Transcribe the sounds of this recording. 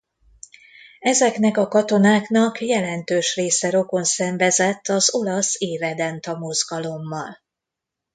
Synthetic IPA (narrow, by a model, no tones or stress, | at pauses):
ɛzɛknɛkɒkɒt̪o̞naːknɒkjɛlɛnt̪øːʃreːsɛɾo̞ko̞nsɛɱvɛzɛt̪ʰːɒzo̞lɒseːvɛd̪ɛnt̪ɒmozɡɒlo̞mːɒl